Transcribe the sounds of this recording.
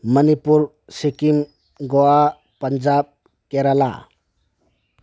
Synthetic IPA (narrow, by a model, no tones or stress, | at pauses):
mənipuɾ | sikim | ɡoa | pənd͡ʒab̚ | keɾala̰